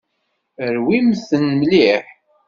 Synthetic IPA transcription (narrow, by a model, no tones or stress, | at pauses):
əɾwimθənmliħ